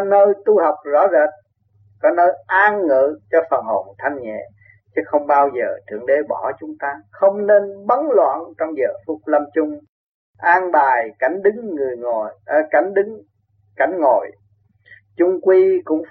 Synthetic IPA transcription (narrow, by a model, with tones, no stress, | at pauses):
nəː˧jt̪u˧ha˨˩wk͡p̚zɔ̰˧˥zəː˨˩t̚ | kɔ˨˦nəː˧jʔaː˧nŋɨ̰˧˨t͡ɕɔ˧fə˨˩nho̰˧˨˩nt̪ʰa˧jŋ̟ŋɛ̰˧˨ | t͡ɕɨ˨˦xə˧wŋ͡mɓaː˧wzəː˨˩t̪ʰɨ̰˨˧˩əŋɗe˨˦ɓɔ˧˩t͡ɕʊ˨˦ŋ͡mt̪aː˧xə˧wŋ͡mne˧nɓə˨˦nlwa̰ː˧˨nt͡ɕɔ˧wŋ͡mzə̰ː˨˩fʊ˦˥k͡p̚lə˧mt͡ɕʊ˧ŋ͡m | ʔaː˧nɓaː˨˩jka˧˩jŋ̟ɗɨ˨˦ŋːɨ˨˩əjŋo˨jka˧˩jŋ̟ɗɨ˨˦ŋ | ka˧˩jŋ̟ŋo̰˧˨j | t͡ɕʊ˧ŋ͡mkwi˧kʊ̰˧˥ŋ͡m